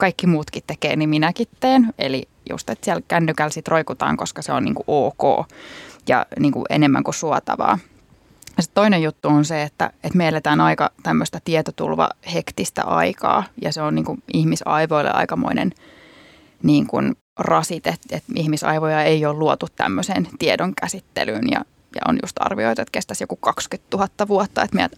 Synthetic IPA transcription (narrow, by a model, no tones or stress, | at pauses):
kɑikːimuːt̪kit̪t̪ekḛːniminækit̪t̪eːnḛli | jṵst̪et̪siɛlkænːykælsit̪roikut̪ɑ̰ːŋkoskɑseonnḭːŋkuʔoːko̰ːjɑ̰niːŋkṵʔḛnemːæ̰ŋkusuɑt̪ɑ̰ʋɑ̰ː | jɑsit̪t̪oinejut̪ːuonseet̪ːæ̰et̪meelet̪æːnɑikɑt̪æmːøst̪ɑt̪iɛt̪ot̪ṵlʋɑ̰hekt̪ist̪æ̰ʔɑikɑ̰ːjɑseonniːŋkuʔihmisɑiʋoilːḛʔɑ̰ikɑmo̰inʔḛn | niːŋkun | rɑsit̪et̪et̪ihmisɑ̰iʋojɑeioːlluot̪ut̪tæ̰mːøseːnt̪iedoŋkæsit̪ːḛlyːnjɑ̰ | jɑ̰o̰njṵst̪ɑ̰rʋioit̪ɑet̪kest̪æsjo̰kukɑkskyt̪t̪uhɑt̪ːɑʋuot̪ːɑet̪mejæ̰t̪